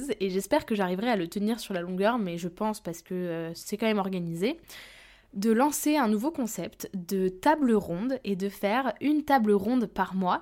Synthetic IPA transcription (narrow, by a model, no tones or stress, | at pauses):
zeʒɛspɛʁkəʒaʁivʁɛalət̪əniʁsyʁlalɔ̃ɡœʁmɛʒəpɑ̃spaʁsə̥kəøsɛkɑ̃mɛmɔʁɡanize | d̪əlɑ̃seɛ̃nuvokɔ̃sɛpt̪d̪ət̪abləʁɔ̃d̪ed̪əfɛʁynt̪abləʁɔ̃d̪paʁmwa